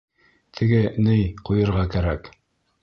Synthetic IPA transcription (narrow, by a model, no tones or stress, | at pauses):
t̪ʰɘ̆ɡɘnɘjqujɤ̆ɾʁɑkæɾæk